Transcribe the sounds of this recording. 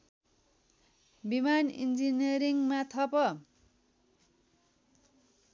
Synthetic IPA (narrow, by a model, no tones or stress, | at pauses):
bimanḭnd͡ziniʌɾiŋmat̪ʰʌpʌ